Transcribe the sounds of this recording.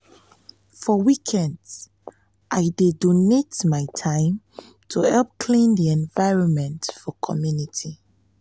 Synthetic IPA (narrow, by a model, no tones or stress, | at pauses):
fɔwikʰɛ̃nds | ʔajdedonetmaɪtʰãɪ̃m | tʰuhɛlp̚kʰlĩnðiɛ̃nvaɪɹɔ̃nmɛ̃ntfɔkʰɔmjunitʰi